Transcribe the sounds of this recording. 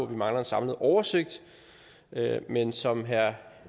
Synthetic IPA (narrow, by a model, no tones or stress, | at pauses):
ɒ̽ʋimɑ̈ŋlɐensɑ̈mləð̩ˠʔɒʊɐse̝ɡ̥̚d̥ | ømensɒ̽mɦæɐ